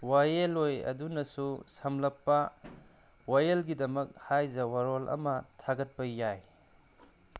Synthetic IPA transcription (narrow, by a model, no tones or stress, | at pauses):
wajelojɐ̰dunɐsusɐmlɐpːɐ | wajelɡidɐmɐk̚hajzɐwaɾolʔɐ̰mɐtʰaɡɐt̚pɐjaj